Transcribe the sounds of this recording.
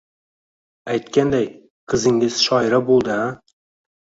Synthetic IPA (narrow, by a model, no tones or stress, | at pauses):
ajt̪kʲand̪aj | qʰɨzɪŋʲɪz̥ʃɒjɪɾabolˠd̪ɪ